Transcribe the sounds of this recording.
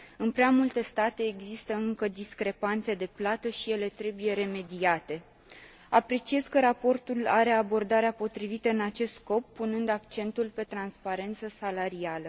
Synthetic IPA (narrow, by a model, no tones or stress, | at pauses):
ɨnpɾeamult̪e̞st̪at̪e̞ːɡzist̪əɨŋkəd̪iskɾe̞pant̪se̞d̪e̞plat̪əʃije̞le̞t̪ɾe̞buje̞ɾe̞me̞d̪iat̪e̞ | apɾe̞t͡ʃie̞zkəɾapo̞rt̪ulaɾe̞abo̞rd̪aɾeapo̞t̪ɾivit̪əɨnat͡ʃe̞st̪sko̞pːunɨnd̪akt͡ʃe̞nt̪ulpe̞t̪ɾanspaɾe̞nt̪səsalaɾialə